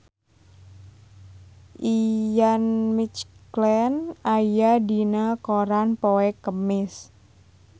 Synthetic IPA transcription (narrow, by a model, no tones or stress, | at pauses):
ʔijanmit͡ʃklɛnajadinakoɾanpoɛkəmɪs